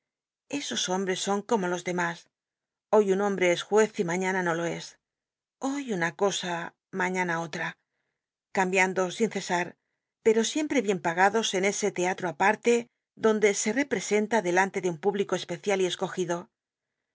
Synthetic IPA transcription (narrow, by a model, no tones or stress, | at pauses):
e̞so̞so̞mbɾe̞sːo̞ŋko̞mo̞lo̞zðe̞mas | o̞junõ̞mbɾe̞esxwe̞θimaɲanano̞lo̞e̞s | o̞junako̞sa | maɲanao̞t̪ɾa | kambjand̪o̞sinθe̞saɾ | pe̞ɾo̞sje̞mpɾe̞βje̞mpaɣ̞aðo̞se̞ne̞se̞t̪eat̪ɾoapaɾt̪e̞ | ðo̞nd̪e̞se̞re̞pɾe̞se̞nt̪aðe̞lant̪e̞ðeumpuβliko̞e̞spe̞θjalie̞sko̞xiðo̞